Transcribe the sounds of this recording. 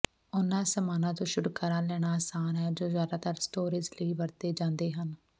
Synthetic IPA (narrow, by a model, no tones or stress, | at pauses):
ʊnãːsəmaːnãːt̪õːʃʊɽkaːɾãːlɛːɽ̃aːsaːnɦɛːd͡ʒoːzjaːd̪aːt̪əɾsʈoːɾɪzləiːʋəɾt̪eːd͡ʒãːnd̪eːɦən